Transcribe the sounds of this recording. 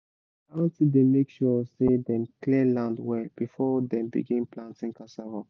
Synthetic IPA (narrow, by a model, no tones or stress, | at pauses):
aɔ̃ntidemekʃɔsedɛ̃mklilãndwɛlb̥ifɔdɛ̃mbḭɡĩnplãntĩŋkasaɹɔ